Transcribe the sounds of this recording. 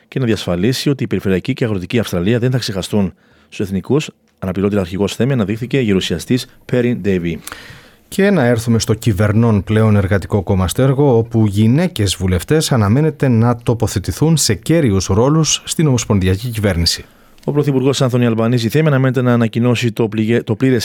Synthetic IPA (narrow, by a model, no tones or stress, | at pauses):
ce̞nɐðiɐsfɐlisio̞t̪iːpe̞ɾife̞ɾiɐciceɐɣɾo̞t̪iciɐfst̪ɾɐliɐðenθɐkse̞xɐst̪un | st̪use̞θnikus | ɐnɐpiɾo̞t̪iɐɐɾçiɣo̞sθe̞miɐnɐðixθice̞ʝeɾusiɐst̪is | pe̞ɾind̪ejvi | cʰe̞nɐe̞ɾθume̞st̪o̞cive̞ɾno̞nple̞o̞ne̞ɾɣɐt̪iko̞ko̞mɐst̪e̞ɾɣo̞o̞puʝine̞ce̞zvule̞ft̪e̞sɐnɐme̞ne̞t̪e̞nɐt̪o̞po̞θe̞t̪iθunse̞ce̞ɾiusɾo̞lusːt̪ino̞mo̞spo̞nðiɐcicive̞ɾnisi̥ | o̞pɾoθipuɾɣo̞sɐnθo̞niɐlvɐniziθemiɐnɐme̞ne̞t̪e̞nɐːnɐcino̞sit̪o̞pliɾes